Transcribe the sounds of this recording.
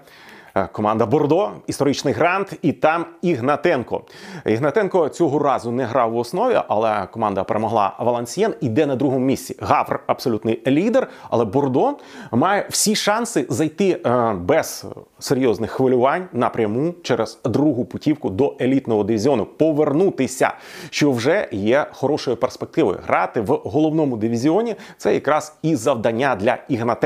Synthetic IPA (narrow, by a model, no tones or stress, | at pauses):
kɔmɑnd̪ɐbɔrd̪ɔist̪ɔɾɪt͡ʃnɪjɦɾɑnt̪it̪ɑmiɦnɐt̪ɛnkɔ̰iɦnɐt̪ɛnkɔt͡sʲɔɦɔɾɑzʊnɛɦɾɑwɔsnɔʋʲḭʔɐ̰lˠɛkɔmɑnd̪ɐpeɾemɔɦlˠɑ̰ʋɐlˠɐnʲsʲjɛnid̪ɛnɐd̪ɾuɦɔmʊmʲisʲt͡sʲiɦɑʋrɐbsɔlʲut̪nɪjlʲid̪erɐ̰lˠɛbɔrd̪ɔ | mɑjɛw̥sʲiʃɑnsɪzɐjt̪ɪbɛz | seɾʲjɔznɪxːʋɪlʲʊʋɑnʲnɐpɾʲɐmut͡ʃɛɾez̥d̪ɾuɦʊpʊtʲiwkʊd̪ɔʔelʲit̪nɔɦɔd̪ɪʋʲizʲiɔnʊpɔʋernut̪ɪsʲɐ̰ʃt͡ʃɔwʒɛjɛxɔɾɔʃɔjiperspek̚t̪ɪʋɔ̰jʊ̰ɦɾʔɑt̪ɪʋɦɔlˠɔʋwnɔmʊd̪ɪʋʲizʲiɔnʲit̪sɛjɐkɾɑz̥izɐʋd̪ɐnʲːad̪lʲɐiɦnɐt̪ɛ